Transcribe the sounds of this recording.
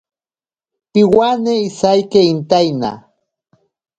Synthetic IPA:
piwaneisajkeint̪ajna̰

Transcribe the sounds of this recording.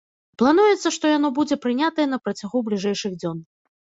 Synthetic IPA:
plˠanujɛt̪sːɐʂt̪ɔjan̪ɔbud͡zʲɛpɾɨnʲat̪ɐjɛnɐpɾɐt͡sʲaɣublʲiʐɛjʂɨɣd͡zʲɔn

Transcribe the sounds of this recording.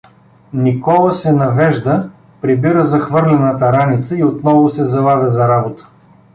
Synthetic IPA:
nikɔlˠəsɛnɐvɛʒd̪ə | pɾibiɾəzɐxvɤɾlʲɛnət̪ɐɾanit̪səiot̪nɔvʊsɛzɐvˠavʲɐzɐɾabot̪ə̥

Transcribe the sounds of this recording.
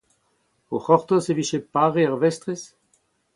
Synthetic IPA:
oχɔʁt̪oseviʃepaʁeaʁvɛst̪ʁes

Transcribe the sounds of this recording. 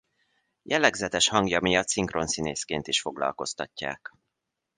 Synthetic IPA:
jʔɛlːɛɡzɛt̪ɛʃhɒŋɡjɒmijɒt̪siŋkro̞nsineːskeːnt̪iʃfo̞ɡlɒ̰lko̞st̪ɒcːa̰ːk

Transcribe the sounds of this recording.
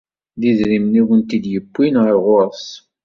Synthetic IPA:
ðiðɾimniwənt̪id̪jəbːinʁəɾʁʊɾˤs

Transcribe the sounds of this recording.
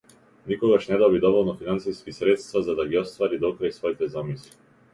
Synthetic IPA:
nikɔɡaʃnɛd̪ɔbid̪ɔvɔlˠnɔfinansiskisɾɛt̪st̪vazad̪aɡiɔst̪vaɾid̪ɔkɾajsvɔit̪ɛzamisli

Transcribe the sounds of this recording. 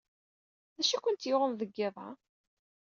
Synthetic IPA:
ðæʃækʷʊnt̪jʊʁəmðəɡːɪðˤɑ

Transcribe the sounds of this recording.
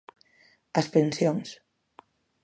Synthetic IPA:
əspensjons

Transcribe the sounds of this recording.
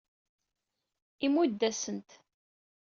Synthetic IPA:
imud̪ːæsənt̪

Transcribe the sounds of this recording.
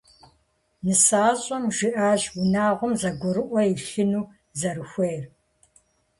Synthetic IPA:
nɨsaːɕʼɐmʒɪʔaːʒwʊnaːʁʷʊmzɐɡʷʊɾɨʔʷɔjiɬɨnuː | zɐɾɨxʷejr

